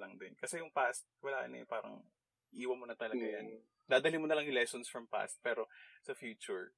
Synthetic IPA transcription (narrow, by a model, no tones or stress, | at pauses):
lɐŋd̪ɪnkɐsɛjʊŋpast̪̚kɐwɐlaːʔɐ̰nɛ̰jpaːɾɐ̰ŋ | ʔiːwɐmonɐt̪ɐlɐɡɡajɐn | d̪aːd̪ɐlɪŋmonɐlɐŋjʊŋlɛsonsfɹɐmpa̰st̪̚pɛːɾo̞sɐfjuːt͡ʃʊɹ